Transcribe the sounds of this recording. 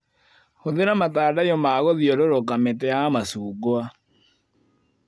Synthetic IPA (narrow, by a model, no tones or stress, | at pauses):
hoðeɾamataːdajɔmaɣoðiɔɾoɾokametɛjamasuːɡoa